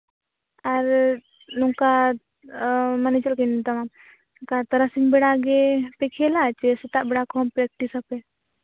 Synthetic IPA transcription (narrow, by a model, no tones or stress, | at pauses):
ɐɾ | nuŋka | mɐnet͡ʃɐlkint̪ɐmam | kat̪ɐɾasinbeɽaɡepekʰelat͡ʃesɐt̪aʔbeɽakʰɔmpɾek̚ʈisɐpe